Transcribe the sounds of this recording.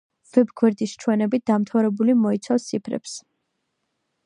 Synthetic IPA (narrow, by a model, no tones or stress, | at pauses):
v̥ɛbɡwɛɾd̪ist͡ʃʰwɛnɛbit̪̚d̪amt̪ʰaɾɛbulimɔit̪sʰafst̪sʰipʰɾɛ̰ps